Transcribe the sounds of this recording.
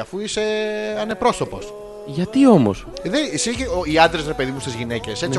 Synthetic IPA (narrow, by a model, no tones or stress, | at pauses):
ɐfuise̞ɐne̞pɾo̞so̞po̞s | ʝɐt̪io̞mo̞̰sðesiçeoiɐnd̪ɾezɾepe̞ðimust̪izʝine̞ce̞si